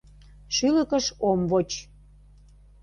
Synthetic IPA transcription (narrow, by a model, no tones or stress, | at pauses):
ʃyləkəʃomvot͡ɕ